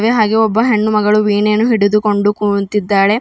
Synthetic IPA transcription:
ʋeɦaːɡeɔbːɐɦeɳːumɐɡɐɭuʋiːneːnːuɦiɽud̪uko̞ɳɖukunt̪id̪ːaːɾe̞

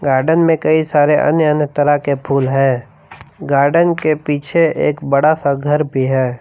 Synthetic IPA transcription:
ɡaːɾɖənmẽkəisaːɾeʔə̰njəənjət̪əɾakepʰuːlɦɛ̃ː | ɡaːɾɖənkepiːt͡ʃʰeeːkbəɽasaɡʱəɾbʱiɦɛː

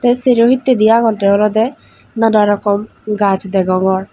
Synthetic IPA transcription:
t̪ɛseɾoɦit̪ːed̪ijaɡɔnʈɛɔlɔd̪ɛ | nadaɾɔkɔm | ɡat͡ʃʰd̪ɛɡɔŋɡɔɾ

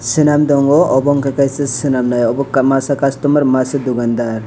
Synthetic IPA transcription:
sɯnamd̪ɔŋɡɔʔɔbɔŋkakajsesɯnamnajɔbɔkmasakastɔmaɾmasɯd̪uɡand̪aɾ

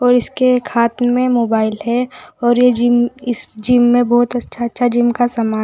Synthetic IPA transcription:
ɔːɾɪskekʰaːt̪mẽmoːbaːɪlɦɛɔːɾjed͡ʒɪmɪsd͡ʒɪmːẽbɔːt̪ɐtːʃʰatːʃʰad͡ʒɪmkasaːmaː

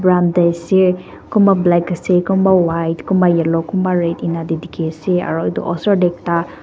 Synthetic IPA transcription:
bɾandajse | kumablakasekumawajtkumbajalɔkumaɾetinadedikʰesea̰ɾɔdɔ̰ʔɔsaɾdek̚ta

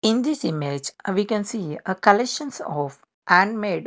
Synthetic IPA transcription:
ɪ̃nd̪ɪsɪmed͡ʒʋiːkɛ̃nsiːəkəleʃə̃nsɔʋ | ʔæ̃nmeːɖ

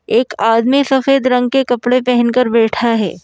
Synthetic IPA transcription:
eːkaːd̪misɐfeːd̪ɾɐ̃ŋɡkekɐpɽepɛɦɛ̃nkɐɾbɛːʈʰaɦɛ̰ː

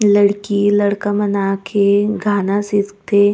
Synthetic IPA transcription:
ləɽkilɐɽkamɐnakʰeɡʱaːnasɪtt̪ʰe

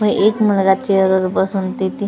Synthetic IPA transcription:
əiʔekmulɡat͡ɕeəɾəɾbəsunt̪it̪i

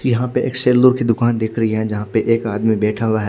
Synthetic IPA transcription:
jɐɦãpeʔḛːkseːlːʊɾked̪ʊkaːnd̪eːkʰɾɐɦiɦɛ̃d͡ʒɐɦãpeʔeːkaːd̪mibɛːʈʰaɦʊwaɦɛː

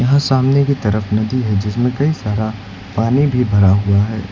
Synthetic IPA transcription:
jɐɦãsaːmnekit̪ɐɾəfnɐd̪iɦɛd͡ʒɪsmẽkɐisaːɾa | paːnibʱibʱɐɾaɦuaɦɛː

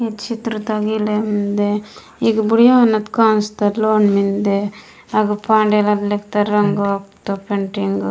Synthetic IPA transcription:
et̪t͡ʃit̪ɾut̪ɐɡiːlemind̪e | iɡbuɽjaɐnːɐt̪kaːnst̪ɐloːnmind̪e | ɐɡupʰaːɳɖelɐd̪lekt̪ɐɾɾɐŋɡokt̪opeɳʈiŋɡ

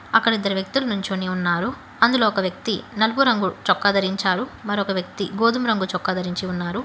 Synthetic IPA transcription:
ɐkːɐɽid̪ːɐɾiʋjɐk̚t̪ulɐnuɲt͡ʃoːneːunːaːɾu | ɐnd̪uloːɔkɐʋjɐk̚t̪inɐluɡuɾɐŋɡut͡ʃɔkːɐd̪ɐɾiɲt͡ʃaːɾumɐɾɔkɐʋjɐk̚t̪iɡoːd̪umɾɐŋɡut͡ʃɔkːɐd̪ɐɾiɲt͡ʃiunːaːɾu

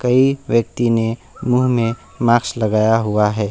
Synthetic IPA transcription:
kɐiwjək̚t̪ine | muːɦmẽ | maːkslɐɡaːjaɦʊaɦɛː

